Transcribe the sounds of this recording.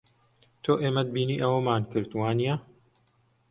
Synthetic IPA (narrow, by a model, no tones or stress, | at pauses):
t̪ʰoːʔeːmɐd̪̚biːniːʔɐwɐmaːnkɨɾt̪waːnija